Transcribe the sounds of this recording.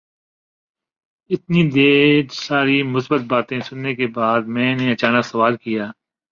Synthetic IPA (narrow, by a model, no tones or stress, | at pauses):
ɪt̪nid̪eːɾsaːɾimʊsbət̪̚baːt̪ẽsʊnːekebaːd̪̚mɛ̃ːneɐt͡ʃaːnəksɐʋaːlkijaː